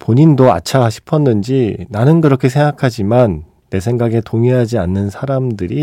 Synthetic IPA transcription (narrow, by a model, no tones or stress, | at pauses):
poɲindoa̰t͡ɕʰaɕʰi̥pʰʌnːɯnd͡ʑinanɯnkɯɾʌkʰe̞s̬ʰe̞ŋɡakʰad͡ʑimanː | e̞sʰe̞ŋɡaɡe̞toŋiɦad͡ʑianːɯnsʰaɾamdɯɾi